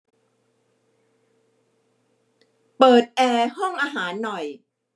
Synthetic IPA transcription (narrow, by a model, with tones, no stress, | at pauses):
pɤː˨˩t̪̚ʔɛː˧hɔ˥˩ŋʔaː˧ɦaː˩˦nːɔ˨˩j